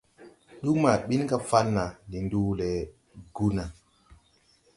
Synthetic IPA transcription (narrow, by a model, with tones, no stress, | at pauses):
ɗu˦ma˨ɓi˦nka˦fa˦nːa˨ni˨ndu˦lɛ˨ | ɡu˦na˨